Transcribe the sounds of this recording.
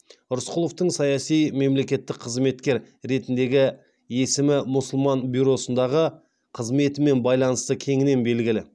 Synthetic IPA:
ʊɾʊsqʰʊlˠo̞ft̪əɴsɑjɑsijme̞mle̞kʲe̞t̪ːɪk̚qʰəzme̞t̪kʲe̞ɾ | ɾe̞t̪ɪnd̪e̞ɡʲɪ | e̞sɪmɪmʊsʊlˠmɑnbʲujɾo̞sənd̪ɑʁə | qʰəzme̞t̪ɪme̞nbɑjlˠɑnəst̪əkʲʰe̞ŋɪne̞nbe̞lɡʲɪlɪ

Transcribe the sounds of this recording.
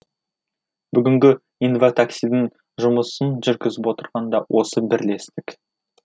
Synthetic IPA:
b̥ʏɡʲɪŋɡʲɪ | infot̪ʰaksijd̪ɪŋ | ʒʊməsənʒʏɾkʲɪzɪpwo̞t̪əɾʁɑnd̪ɑwʔo̞səbɪɾle̞st̪ɪk

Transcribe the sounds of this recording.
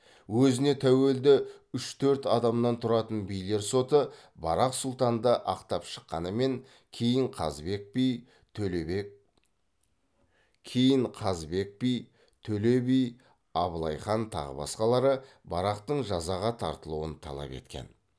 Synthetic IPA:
wɵzɪne̞t̪ʰæwe̞ld̪ɪʏʃt̪ʰɵɾt̪ɑd̪ɑmnɑnt̪ʰʊɾɑt̪ənbijle̞ɾso̞t̪ə | bɑ̰ɾɑqsʊlˠt̪ɑnd̪əʔɑqt̪ɑpʃə̥qːɑnəme̞ŋ | kʲʰejɪŋqʰɑ̰zbe̞k̚pijʰ | kʲʰejɪɴqʰɑzbe̞k̚pij | t̪ʰɵle̞bij | ɑbəlˠɑjχɑnt̪ʰɑ̰ʁə̰bɑ̰sqɑlˠɑɾə | bɑɾɑqt̪əɴʒɑzɑʁɑt̪ʰɑ̰ɾt̪əlˠuwənt̪ʰɑ̰lˠɑ̰pe̞̰t̪kʲe̞̰n

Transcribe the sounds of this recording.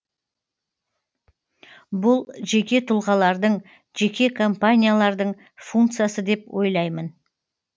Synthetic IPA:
bʊlˠʒe̞kʲe̞t̪ʰʊlˠʁɑlˠɑɾd̪əɴ | ʒ̥e̞kʲe̞kʰompanʲijalˠɑɾd̪əɴ | fuŋkt̪sɨjasəd̪e̞pwʔo̞̰jlˠɑjmən

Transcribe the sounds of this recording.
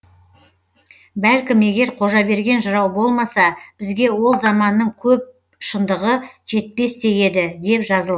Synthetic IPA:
bælkʲɪme̞ɡʲe̞ɾqʰo̞ʒɑbe̞ɾɡʲe̞nʒəɾɑwbo̞lˠmɑsɑb̥ɪzɡʲe̞wo̞lˠzɑmɑnːəɴkʲʰɵp̚ | ʃənd̪əʁəʒ̥e̞t̪̚pe̞st̪e̞je̞d̪ɪd̪e̞pʒɑzəlˠ

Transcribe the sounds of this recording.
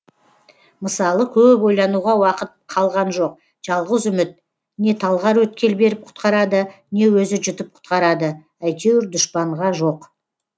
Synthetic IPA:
məsɑlˠəkʲʰɵpo̞jlˠɑnuʁɑwɑqət̪̚qʰɑlˠʁɑnʒo̞q̚ | ʒ̥ɑlˠʁəzʏmɪt̪̚ | ne̞t̪ʰɑlˠʁɑɾwɵt̪̚kʲe̞lbe̞ɾɪp̚qʰʊ̥t̪qɑɾɑd̪ə | ne̞wɵzɪʒʏt̪əp̚qʰʊ̥t̪qɑɾɑd̪ə | æjt̪ewɾd̪ʊʃpɑɴʁɑʒo̞q

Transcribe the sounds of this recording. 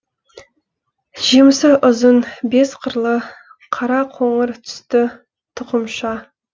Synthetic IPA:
ʒ̥imsɪʔʊzənbe̞sqʰəɾlˠə | qʰɑɾɑqʰoɴəɾt̪ʰʏ̥st̪ɪ | t̪ʰʊqəmʃɑ

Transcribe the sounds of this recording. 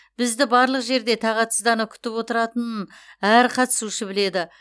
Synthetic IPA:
b̥ɪzd̪ɪbɑɾlˠəqʒe̞ɾd̪e̞t̪ʰɑʁɑt̪ʰəzd̪ɑnəkʲʰʏ̥t̪ɪpwo̞t̪əɾɑt̪ənnæɾqʰɑt̪ə̥suʃɪbɪle̞d̪ɪ

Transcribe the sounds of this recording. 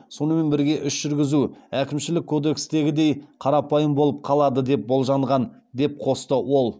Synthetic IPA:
so̞nəme̞nbɪɾɡʲe̞ʔʏʃʒ̥ʏɾɡʲɪzuækʲɪmʃɪlɪkʲʰːod̪e̞kst̪e̞ɡʲɪd̪e̞jqʰɑɾɑpɑjəmbo̞lˠəp̚qʰɑlˠɑd̪əd̪e̞p̚bo̞lˠʒɑɴʁɑn | d̪e̞p̚qʰo̞st̪əwo̞lˠ

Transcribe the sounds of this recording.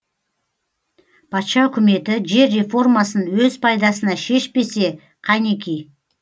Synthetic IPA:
pʰɑt̪ʃɑʏkʲɪme̞t̪ɪʒe̞ɾːe̞fo̞rmɑsənwɵzpʰɑjd̪ɑsənɑʃe̞ʃpe̞se̞ | qʰɑjnekʲej

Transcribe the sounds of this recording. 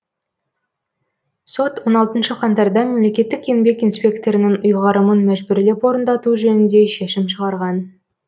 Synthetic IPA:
so̞t̪wo̞nɑlˠt̪ənʃəqʰɑnt̪ɑɾd̪ɑme̞mle̞kʲe̞t̪ːɪkʲʰeŋbe̞kijnspʲe̞kt̪o̞ɾənɪŋʊjʁɑɾəmənmæʒbʏɾle̞pwo̞ɾənd̪ɑt̪uʒɵnɪnd̪e̞ʃeʃɪmʃəʁɑɾʁɑn

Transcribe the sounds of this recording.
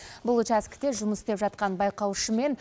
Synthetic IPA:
bʊlˠt͡ʃæskʲɪ̥t̪e̞ʒʊməst̪e̞pʒɑt̪̚qɑnbɑjqɑwʃəme̞n

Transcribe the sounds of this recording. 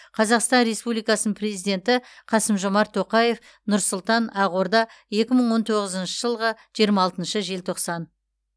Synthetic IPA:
qʰɑzɑqst̪ɑnɾe̞spublijkɑsnənpʰrezijd̪ʲe̞nt̪ɪqʰɑsəmʒo̞mɑɾt̪ʰːo̞qɑje̞f | nʊɾsʊlˠt̪ɑnɑʁoɾd̪ɑ | je̞kʲɪməɴwo̞nt̪ʰo̞ʁəzənʃəʒəlˠʁəʒ̥ijəɾmɑːlˠt̪ənʃəʒe̞lt̪ʰo̞qsɑn

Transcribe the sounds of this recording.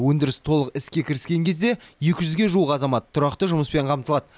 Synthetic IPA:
wɵnd̪ɪɾɪst̪ʰo̞lˠəqɪskʲe̞kʲʰɪɾɪskʲe̞ŋkʲʰe̞zd̪e̞je̞kʲɪʒʏzɡʲe̞ʒuwəqɑzɑmɑt̪ʰːʊɾɑqt̪əʒʊməspe̞ɴqʰɑmt̪əlˠɑd̪ə

